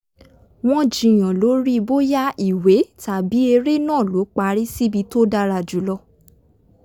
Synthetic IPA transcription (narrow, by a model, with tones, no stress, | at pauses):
w̃ɔ̃˦d͡ʒi˨j̃ã˨lo˨˦ɾi˦˧bo˦ja˦i˨we˨˦ta˨bi˨˦e˧ɾe˦nãː˦˨lo˨˦k͡pa˧˦ɾi˦si˦bi˧to˦da˧ɾa˨d͡ʒu˨˦lɔ˧